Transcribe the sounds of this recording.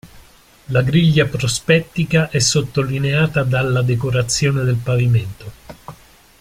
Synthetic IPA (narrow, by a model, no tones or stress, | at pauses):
laɡɾiʎːapɾospɛt̪ːikaʔɛsːot̪ːolineaːt̪ad̪alːad̪ekoɾat̪sːjoːned̪elpaviment̪o